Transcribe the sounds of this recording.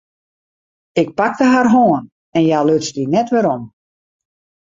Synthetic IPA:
ɪk̚pak̚təɦarɦoən | ɛnjaløtsdinɛtʋɪɾɔm

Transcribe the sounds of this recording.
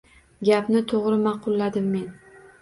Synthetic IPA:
ɡʲapnɪt̪ʰoʁɾɪmɑqʊlˠːad̪ɪmːe̞n

